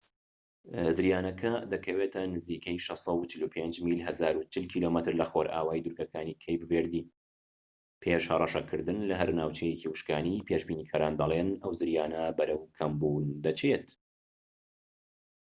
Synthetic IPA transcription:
zɨɾjaːnɐkʰɐd̪ɐkʰɐweːt̪ʰɐnɨziːkɐjʃɨsɐwt͡ʃʰɪluːpʰend͡ʒmiːlɦɐzaːɾut͡ʃʰɪlkʰiːloːmɨt̪ɨɾlɐxoɾʔa̰ːwaːid̪uɾkɐkʰaːniːkʰɐjbɨveːɾd̪i | pʰeʃhɐrˤɐʃɐkʰɨɾd̪ɨnlɐɦɐɾnaːwt͡ʃɛjeciwɨʃkaːnipʰeːʃbiːniːkʰaːɾaːnd̪ɐlˠenɐwzɨɾjaːnɐbɐɾɐwkʰɐmbuːnd̪ɐt͡ʃʰet̪

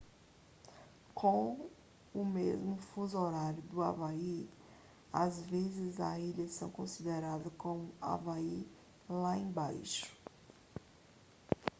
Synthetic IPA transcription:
kʰõ | ʊmezmʊfuzoɾaɾjʊd̪ʊa̰vai | azvezɪzɐ̰iʎɐsɐ̃w̃kõsid̪eɾad̪ɐkõmʊa̰vai | laẽbajʃʊ̥

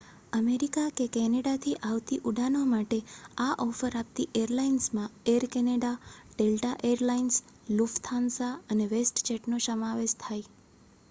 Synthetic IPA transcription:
əmeɾikakekɛneɽat̪ʰiʔaʋt̪iʔuɖʱanomaʈeaʔɔfəɾap̚t̪iʔeɾlainsmãeəɾkɛneɽaɖelʈaʔeəɾlains | luft̪ʰansaəneʋesʈt͡ʃeʈnosəmaʋeʃt̪ʰaj

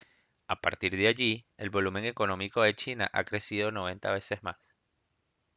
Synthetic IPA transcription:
apa̰ɾt̪iɾðeaʝie̞lβo̞lumẽ̞ŋe̞ko̞nõ̞miko̞ðe̞t͡ʃinaʔakɾe̞siðo̞no̞β̞e̞nt̪a̰βe̞se̞zmas

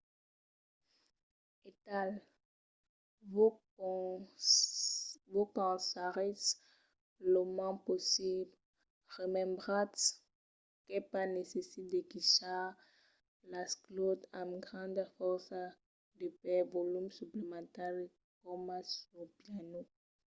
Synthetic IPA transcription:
et̪al | v | vokɑ̃saʁɛs | lomãposibl | ʁəmɛ̃mbʁãt̪ | kɛpanesesit̪̚d̪ekiʃa | lasklot̪ãmɡʁɑ̃d̪fɔʁsa | d̪əpɛvolymsyplemɑ̃t̪al | kɔmasopjano

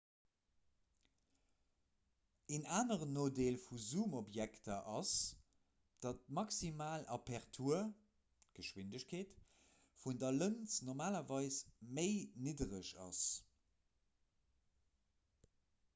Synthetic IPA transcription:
enaːnəʁənoːdeːlfuzuːmobjæktʰɐʔɑs | d̥ɑt̚mɑksimaːlʔɑpɛʁtʰuːɐ | ɡ̥əʃwindəɕkʰeːt | fundɐlənt͡snoʁmaːlɐvɑɪsməɪnidəʁəʃɑ̰s

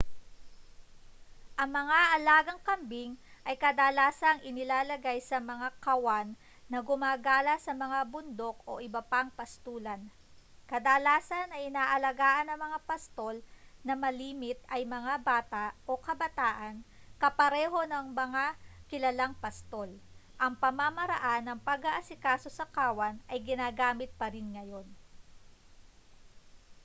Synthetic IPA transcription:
ʔɐŋmɐŋaʔɐlaːɡɐŋkɐmbiŋʔɐjkɐd̪aːlaːsɐŋʔɪnɪlaːlɐɡajsɐmɐŋakɐwanː | ɐɡʊmaːɡaːlɐsɐmɐŋabʊnd̪o̞k̚o̞̰ʔɪbɐpaŋpɐst̪uːlɐn | kɐd̪aːlaːsɐnɐʔɪnaːʔɐlɐɡaːʔɐnɐŋmɐŋapɐst̪o̞lnɐmɐliːmɪt̪̚ɐjmɐŋabaːt̪aʔʔo̞kɐbɐt̪aːʔɐnkɐpɐɾɛːɦo̞nɐŋmɐŋakɪlɐlaŋpɐst̪o̞lʔɐŋpɐmamɐɾɐ̰ʔanːɐŋpɐɡɐʔɐsɪkaːso̞sɐkaːwɐnʔɐjɡɪnaːɡaːmɪt̪̚pɐɾɪnŋɐjo̞n

